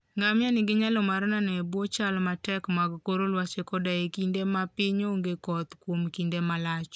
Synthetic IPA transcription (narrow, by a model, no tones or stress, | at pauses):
ŋamjanɪɡɪɲalɔmaɾnanɛbwɔt͡ʃalmatɛkmaɡkoɾolwat͡ʃekɔdajekindemapɪɲoŋɡekɔt̪kwomkindemalat͡ʃ